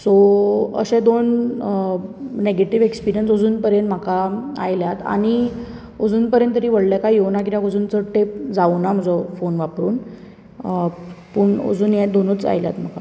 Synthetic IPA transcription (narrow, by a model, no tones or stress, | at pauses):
soə̰ɕẽd̪on | neɡeʈiʋekspiɾijənsod͡zuːnpəɾjənm̤akaa̰jljat̪a̰ñi | od͡zuːnpəɾjə̃nt̪ːəɾiːʋəɽljakajewnak̬iɾjakod͡zuːnt͡səʈep̚d͡zaunam̤əd͡zɔfonʋapɾuːn | puɳo̰d͡zuːnjɛ̃d̪onut͡sa̰jlja̰t̪m̤aka